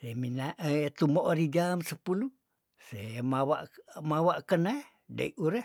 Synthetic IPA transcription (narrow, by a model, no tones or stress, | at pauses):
seminaʔet̪umoʔoɾid͡ʒamsəpulu | semawa̰ʔmawaʔkənah | da̰iʔuɾəh